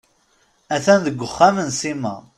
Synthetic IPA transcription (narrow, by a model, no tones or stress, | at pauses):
æθænðəɡʷːəχːamənsimæ